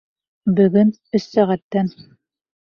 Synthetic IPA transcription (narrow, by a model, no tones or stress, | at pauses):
bɵ̆ɡɵn | ɵsːæʁæt̪ːæn